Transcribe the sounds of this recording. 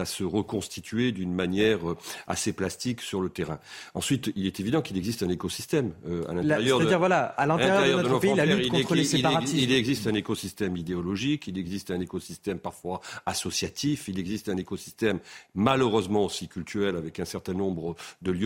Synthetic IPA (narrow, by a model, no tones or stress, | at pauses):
asəʁəkɔ̃st̪it̪ʰɥed̪ynmanjɛʁøa̰seplast̪iksyʁlət̪eʁɛ̃ɑ̃sɥit̪ilɛt̪evid̪ɑ̃kilɛɡzist̪ɛ̃nekɔsist̪ɛmøa̰lɛ̃t̪ʁjœʁd̪iʁvwalaalɛ̃t̪eʁjeʁjjœʁɔd̪əlɔ̃fpeĩllɛyʁikɔ̃χəleseipaʁaisiilɛɡzist̪ɛ̃nekɔsist̪ɛmid̪eɔlɔʒikilɛɡzist̪ɛ̃nekɔsist̪ɛmpaʁfwaasɔsjat̪ʰifilɛɡzist̪ɛ̃nekɔsi̥st̪ɛmːaləʁøzmɑ̃osikʲylt̪ʰyʁɛlavɛkɛ̃sɛʁt̪ɛ̃nɔ̃bʁəd̪əljø